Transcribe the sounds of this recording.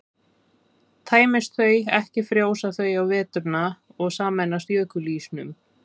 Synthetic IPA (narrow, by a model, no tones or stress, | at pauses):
t̪ʰaːjmɪst̪θœɥjɛhcɪfɾjoːwsaθœɥjawvɛːt̪ʏɾna | ɔɣsaːmɛnːast̪jœːkʏliːsnʏm